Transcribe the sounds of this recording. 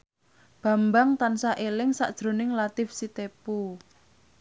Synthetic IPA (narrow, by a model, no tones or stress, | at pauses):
b̥ä̤mbaŋt̪ansaʔelɪŋsa̰ʔd̥ʒ̥ɾo̤nɪŋlat̪ɪfsit̪epu